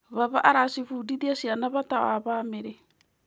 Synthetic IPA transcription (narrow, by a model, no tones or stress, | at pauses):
βaβaʔaɾasifuːdidiasianaβataaβaːmeɾe